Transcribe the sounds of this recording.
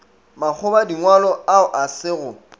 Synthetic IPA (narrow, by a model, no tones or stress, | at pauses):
mak͡xʰʊbadiŋwalɔaʊʔasɪːɣʊ